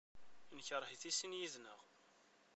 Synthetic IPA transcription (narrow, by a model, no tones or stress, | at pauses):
inçəɾˤhiθisinjiðnəʁ